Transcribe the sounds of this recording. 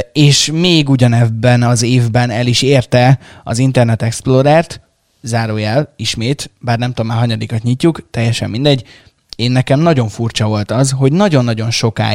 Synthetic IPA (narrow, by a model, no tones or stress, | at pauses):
eːʃmeːɡuɟɒnɛbːɛnɒzeːvbɛnɛliʃeːrt̪ɛɒ̰zint̪ɛrnɛt̪ɛksplo̞ɾɛːrt̪ | zaːɾoːjɛliʃmeːt̪baːrnɛmt̪omaːɦɒɲɒd̪iːkɒt̪ɲicːukt̪ɛjːɛʃɛ̰mːind̪ɛɟː | eːnːɛkɛmnɒɟo̞ɱfurt͡ʃɒvo̞lt̪ɒzɦo̞ɟnɒɟo̞nːɒɟo̞nʃo̞ka̰ː